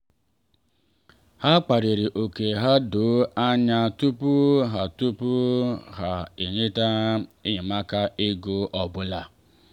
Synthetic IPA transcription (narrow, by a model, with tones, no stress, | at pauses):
ha˦k͡pa˨ɾi˨ɾi˨ʔo˨ke˨ɦa˦do˨˦a˦ɲa˦tu˦pu˦ɦa˨tu˦pu˦ɦa˨e˨ɲe˦ta˦i˦ɲi˨ma˦ka˦ʔe˦ɡo˨˦ʔɔ˨bʊ˦la˨